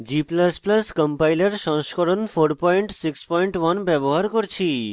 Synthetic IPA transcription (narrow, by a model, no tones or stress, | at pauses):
d͡ʑiplasplaskɔmpajleɾʃɔ̃ŋskoɾonfʰoɾpɔjɳʈsikspɔjɳʈwanbɛboɦaɾkoɾt͡ɕʰi